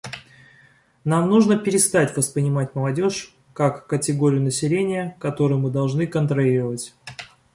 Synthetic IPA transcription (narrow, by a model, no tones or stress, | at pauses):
namnuʐnəpʲɪɾʲɪst̪atʲvəspɾʲɪnʲɪmatʲməlˠɐdʲo̞ʂ | kakːətʲɪɡo̞ɾʲɪjʊnəsʲɪlʲenʲɪjəkɐt̪o̞ɾɨjʊmɨd̪ɐlˠʐnɨkənt̪ɾɐlʲiɾəvətʲ